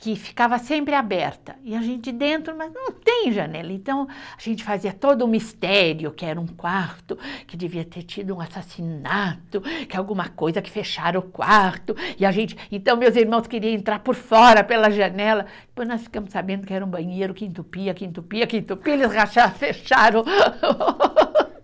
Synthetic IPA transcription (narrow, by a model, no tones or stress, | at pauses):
kɪfi̥kavɐsẽmpɾɪabɛɾt̪ɐɪaʒẽnt͡ʃɪd͡ʒɪd̪ẽnt̪ɾʊmɐznɐ̃w̃t̪ẽj̃ʒɐnɛlɐẽnt̪ɐ̃w̃aʒ̥ẽnt͡ʃɪ̥faziɐt̪od̪ʊmist̪ɛɾjʊkɪɛɾɐũkwaɾt̪ʊkɪd̪eviɐt̪eɾt͡ʃid̪ʊũasasinat̪ʊkɪawɡũmɐkojzɐkɪ̥feʃaɾɐʊkwaɾt̪ʊɪaʒẽnt͡ʃɪ̥ẽnt̪ɐ̃w̃mewziɾmɐ̃w̃skeɾiɐ̃ẽnt̪ɾaɾpoɾfɔɾɐpelɐʒɐnɛlɐ | pojznɔsfi̥kɐ̃mʊsabẽnd̪ʊkɪɛɾɐũbɐ̃ɲejɾʊkɪẽnt̪upiɐkɪẽnt̪upiɐkɪẽnt̪upielɪsʁaʃafeʃaɾɐ̃w̃